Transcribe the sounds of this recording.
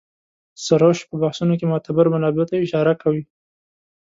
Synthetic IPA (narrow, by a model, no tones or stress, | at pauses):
saɾoʃpəbahsunok̬emʊt̪abaɾmanɑbɪt̪aɪʃɑɾakawi